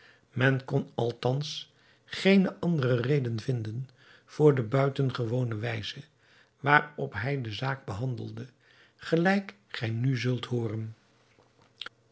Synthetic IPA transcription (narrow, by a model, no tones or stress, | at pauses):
mɛnkɔnɑlˠtɑns | χejnəʔɑndərərejdənvɪndən | v̥ʊːɹdəbœɥtənχəʋownəʋɛjzə | ʋaːrɔpɦɛjdəzaːɡ̚bəɦɑndəlˠdə | χəlɛjk | χɛjnyzɵlˠtɦʊːrən